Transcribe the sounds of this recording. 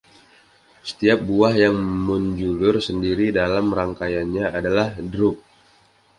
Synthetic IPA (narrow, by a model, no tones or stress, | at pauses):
sə̥t̪iap̚buahjaŋmuɲd͡ʒulʊrsəndiɾidalamraŋkajanɲaʔadalahdɾʊp̚